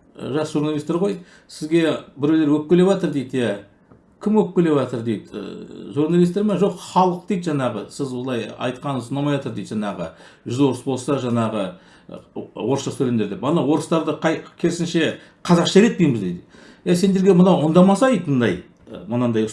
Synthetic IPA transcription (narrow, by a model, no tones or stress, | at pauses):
ʒɑsəʒuɾnɑlˠist̪eɾʁo̞j | sɪzɡʲe̞bɪɾew̪eɾwɵp̚kʲele̞vɑt̪əɾd̪ejd̪jæ | kʲʰɪmwɵp̚kʲele̞vɑt̪əɾd̪ejd̪̰ʒuɾnɑlˠijst̪e̞ɾmɑʒo̞qχɑlˠəq̚d̪ejt̪ʒɑɴɑʁəsɪzwo̞lˠɑjɑ̰jt̪qɑnəsnɑmɑjɑt̪əɾd̪ejd̪ʒɑɴɑʁə̰ | ʒʏzwo̞ɾəsbo̞lˠsɑʒɑɴɑʁə | wo̞ɾəsəsʰɵlend̪e̞ɾd̪epɑnɑwwo̞ɾəst̪ɑɾd̪əqʰɑjkʲʰe̞ɾsɪnʃe̞ | qʰɑzɑqʃɑɾe̞t̪̚pejmɪzd̪ejd̪ | jæse̞nd̪e̞ɾɡʲe̞mənɑwond̪ɑmɑsɑejt̪ənd̪ɑj | mənɑnd̪ɑj